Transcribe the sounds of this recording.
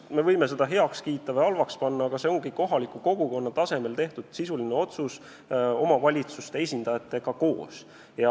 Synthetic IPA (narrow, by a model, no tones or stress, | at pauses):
me̞vɤjme̞se̞d̪̥ɑɦe̞ɑkskiːt̪ːˑɑveɑlvɑkspɑnːɑɑɡ̥ɑse̞oŋɡiko̞ɦɑlikːˑuko̞ɡ̥uko̞nːɑt̪ɑse̞me̞lt̪e̞ht̪ud̪̥sisulineo̞t̪sus | o̞mɑvɑlʲit̪sust̪e̞esʲind̪̥ɑjɑt̪ːˑe̞ɡ̥ɑko̞ːs | jɑ